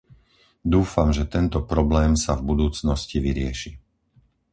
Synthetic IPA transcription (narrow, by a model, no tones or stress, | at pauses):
d̪uːfamʒɛt̪ɛnt̪ɔpɾɔblɛːmsavbud̪uːt͡snɔsciʋiɾɪɛ̰ʃi